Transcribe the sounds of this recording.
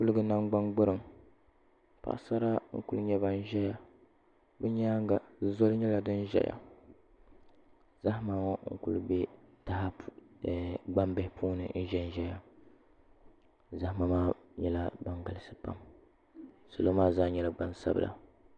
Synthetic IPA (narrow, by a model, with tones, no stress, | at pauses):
ku˦lɨ˦ɡɨ˦na˦ŋɡ͡ba˦ŋɡ͡bʊ˦ɾɨ˨m | pa̰˨ʔsa˦ɾa˦ŋ̩̰˦ku˦ɨ˦ɲɛ˦ba˦n˦ʒɛ˦ja˦ | bɛ˦ɲa˦ŋ˦ɡa˨zo˦lɨ˦ɲɛ˦la˨dɨ˦n˦ʒɛ̰˦ja̰˨ | za˦hmaː˦ŋɔ˦ŋ̩̰˦kṵ˦lɨ˦bɛ˦ta˨ha˦˨ | ɡ͡ba˦mbɛ˨hɪ˦pʰuː˦nɨ̰˨n̩˦ʒɛ˦n˦ʒɛ˦ja˦ | za˨˦hma˦maː˦ɲɛ˦la˦ba˨ŋɡa˨lɨ˦sɨ̥˦pa̰˦m | so˨lo˦maː˦zaː˦ɲɛ˨la˨ɡ͡ba˦nsa̰˦bɨ̰˨lʔa̰˨